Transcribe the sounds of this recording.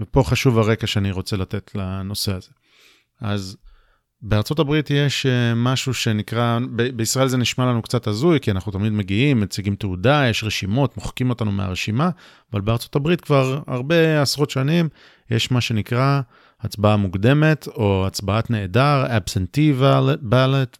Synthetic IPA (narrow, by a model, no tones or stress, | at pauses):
vepo̞χaʃuvaʁe̞kaʃeaniʁo̞t͡se̞late̞tʰlano̞se̞aze̞ | az | be̞aʁt͡so̞tabʁitjeʃmaʃuʃe̞nikʁabebeisʁae̞lzeniʃmalanukt͡satazujkianaχnut̪amid̪me̞ɡiimːet͡siɡimteudajeʃʁeʃimo̞tmoχkimo̞tanumḛa̰ʁeʃima | avalbeaʁt͡so̞tabʁit̪kvaʁa̰ʁbe̞asʁo̞tʃanim | jeʃmaʃe̞nikʁa | at͡sbaamuɡd̪e̞me̞t̪ʰo̞at͡sbaatne̞ːdaʁabsent̪ivbalet